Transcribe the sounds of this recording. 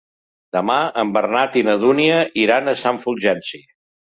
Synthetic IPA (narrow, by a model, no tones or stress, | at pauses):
d̪̥əmaəmbərnat̪inəð̞uniəiɾanəsaɱfulˠʒɛnsi